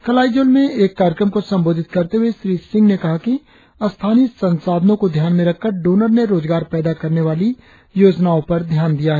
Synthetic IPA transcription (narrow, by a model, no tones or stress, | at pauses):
kɐlaːid͡ʒoːlmẽeːkːaːɾjəkɾəmkosɐ̃mboːd̪ʱɪt̪̚kɐɾt̪eɦueʃɾiːsɪ̃ŋɡnekɐɦaki | ɐst̪ʰaːnisɐ̃nsaːd̪nõkod̪ʱjaːnmẽɾɐkʰːəɾɖoːnəɾneɾoːzɡaːɾpɛːd̪akɐɾneʋaːli | joːd͡ʒnaõpɐɾd̪ʱjaːnd̪ijaɦɛː